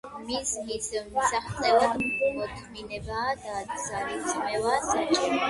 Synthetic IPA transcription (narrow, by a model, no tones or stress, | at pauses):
mizmizmsaχt̪sʼɛbad̪mɔt̪ʰminɛbaːd̪ad̪zaɾid̪zmɛvaːsat͡ʃʼɛɾ